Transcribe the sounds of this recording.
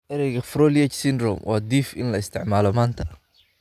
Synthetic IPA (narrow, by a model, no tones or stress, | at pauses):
ʔɛɾɛjɣɐfrɔːliɛt͡ʃsɪnd̪rɔ̰mwʔɑːd̪iːfʔɪ̰nlɐɪst̪ʰɪ̰ʕmaːlɔmaːnt̪ʰɐ